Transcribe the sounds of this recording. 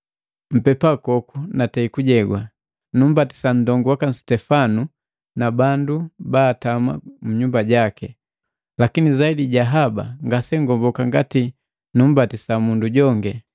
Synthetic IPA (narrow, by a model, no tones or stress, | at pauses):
m̩pɛpakɔkunatɛikuɟɛɡwa | num̩bati̥san̩dɔŋɡuwakan̩stɛfanu | nabandubaːtama̰muɲumbaɟakɛ | lakinizaidiɟaɦaba̰ŋɡasɛŋɡɔmbɔkaŋɡati | num̩batisamunduɟɔŋɡɛ